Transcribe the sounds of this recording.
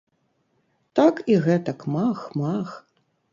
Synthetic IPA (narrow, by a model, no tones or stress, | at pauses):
t̪akiɣɛt̪ɐkmaxmax